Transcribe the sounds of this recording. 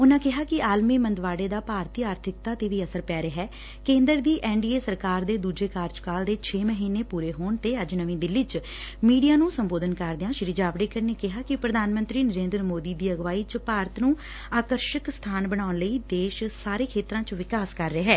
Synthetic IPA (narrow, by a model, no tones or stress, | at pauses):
ʊnãːkɪɦaːkɪaːlmiːmənd̪ʋaːɽeːd̪aːpaːɾt̪iːaːɾt̪ʰɪk̚t̪aːt̪eːʋiːəsəɾpɛːɾeːɦɛː | kẽːnd̪əɾd̪iːʔɛːɳɖiːeːsəɾkaːɾd̪eːd̪uːd͡ʒeːkaːɾd͡ʒkaːld̪eːt͡ʃʰeːməɦiːneːpuːɾeːɦoːɳt̪eːəd͡ʒnəʋĩːd̪ɪlːiːt͡ʃ | miːɖijaːnũːsəmboːd̪ənkəɾd̪ɪãːʃɪɾiːd͡ʒaːʋɾeːkəɾneːkɪɦaːkɪpɾəd̪ʱaːnmə̃nt̪ɾiːnəɾẽːnd̪ɾmoːd̪iːd̪iːəɡʋaːiːt͡ʃpaːɾət̪nũː | aːkəɾʃəkst̪ʰaːnbəɽaːʊnləiːd̪eːʃsaːɾeːkʰeːt̪ɾãːt͡ʃʋɪkaːskəɾːeːɦɛː